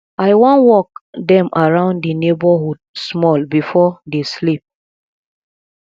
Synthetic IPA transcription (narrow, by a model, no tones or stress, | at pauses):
aɪwɔ̃nwɔkdɛ̃mʔaɹãʊ̃ndinebɔhud̚smɔlbifɔdeslip̚